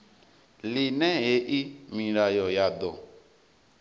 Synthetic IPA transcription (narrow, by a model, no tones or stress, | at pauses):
linɛ̃eʔimĩɾajɔjadɔ